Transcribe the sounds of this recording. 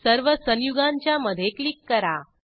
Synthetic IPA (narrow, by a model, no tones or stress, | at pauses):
səɾʋəsə̃njuɡãɲt͡ɕjaməd̪ʱjeklikːəɾa